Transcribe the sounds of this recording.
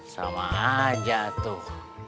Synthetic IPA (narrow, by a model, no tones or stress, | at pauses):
sa̰maad͡ʒaʔt̪u